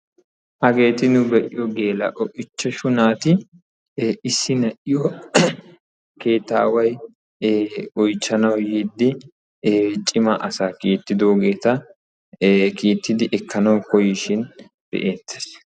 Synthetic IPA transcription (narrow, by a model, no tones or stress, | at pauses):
ʔɐɡe̞ːt̪ɪnʊbɛʔɪjɔɡe̞ːlɐ̰ʔɔʔɪt͡ʃːɛʃʊnaːt̪ɪ | ɪsːɪnɐʔɪjɔ | ke̞ːt̪ːa̰ːwɐj | ɔjt͡ʃːɐnɐwjid̪ːɪ | t͡ʃʼɪmɐʔɐsaːkiːt̪ːɪd̪o̞ːɡe̞ːt̪ɐ | kiːt̪ːɪd̪ɪʔɛkːɐnɐwkɔjɪʃɪn | b̥ɛ̰ʔeːt̪ʰːe̥s